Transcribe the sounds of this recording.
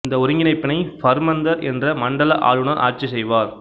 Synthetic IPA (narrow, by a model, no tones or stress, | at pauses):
ɪnd̪ɐʊɾɪŋɡɪnɐɪpːɪnɐɪfɐɾmɐnd̪ɐɾɛndrɐmɐɳɖɐlɐʔa̰ːɻɯnɐɾʔaːrt͡ʃisɛjʋaːɾ